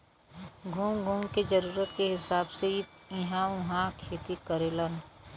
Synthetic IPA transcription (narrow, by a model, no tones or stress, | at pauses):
ɡʱuːmɡʱuːmked͡ʒəɾuːɾət̪keɦɪsaːbseit̪ɪɦãʊ̃ɦãkʰeːt̪ikəɾelən